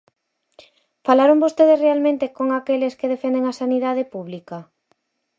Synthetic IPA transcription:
falaɾoŋbost̪eð̞esrealmẽnt̪ekoŋakeleskeðefend̪eŋasaniðað̞epuβlika

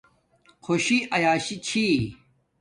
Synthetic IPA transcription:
kʰoɕiʔɐjaːɕit͡ɕʰi

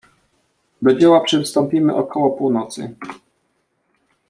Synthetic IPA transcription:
d̪ɔd͡ʑɛwapʂɛfst̪ɔmpʲimɘ̰ʔɔkʰɔwɔpuwnɔt̪sɘ̰

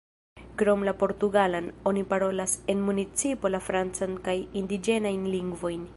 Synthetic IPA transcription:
kɾo̞mlapo̞ɾtuɡalano̞nipaɾo̞lase̞nmunit͡sipo̞lafɾant͡sankajindid͡ʒe̞najnliŋɡvo̞jn

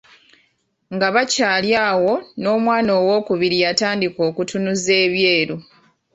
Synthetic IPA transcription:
ŋɡaβacaːljaːwo̞no̞ːmwaːno̞ːwo̞ːkuβiɾijataːndiko̞ːkutunuze̞ːβje̞ːɾu

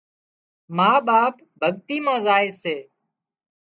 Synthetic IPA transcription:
maːɓaːp | bʱəɠt̪iːmõːzaːɪseː

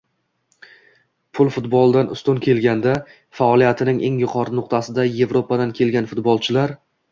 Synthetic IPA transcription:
pʰʊlˠfʊt̪bɒlˠd̪anʊ̰st̪ʊnkʲʰe̞lɡʲand̪a | faɒlˠijat̪ʰɪnɪŋʔe̞ŋjʊqʰɒɾɪnʊq̚t̪ʰasɪd̪aje̞vɾopad̪ankʲʰe̞lɡʲanfʊt̪bɒlˠt͡ʃʰɪlaɾ

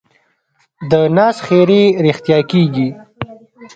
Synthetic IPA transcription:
d̪ənɑːsχeɾeɾixt̪jɑkeɡi

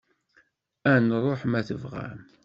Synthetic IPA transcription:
ænrˤoħmæθəvʁæ̰m

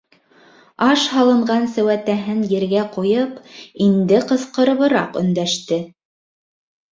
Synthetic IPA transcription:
ɑʃhɑlˠɤ̆ɴɢɑnsæwæt̪æɦɘnjɘ̆ɾɡæqujɤpind̪ɘqɤ̆θqɤ̆ɾɤ̆βɤ̆ɾɑqɵ̰̆nd̪æʃt̪ɘ

